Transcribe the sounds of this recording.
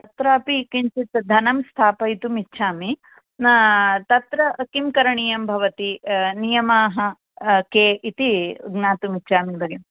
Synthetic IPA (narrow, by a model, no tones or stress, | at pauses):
t̪ɐt̪ɾaːpikiɲt͡ʃit̪d̪ʱɐnɐmst̪ʰaːpɐit̪umitːʃʰaːmi | t̪ɐt̪ɾɐkimkɐɾɐɳijɐmbʱɐʋɐt̪inijɐmaːɦɐ | keːʔit̪iɡnaːt̪umitːt͡ʃʰaːmibɐɡim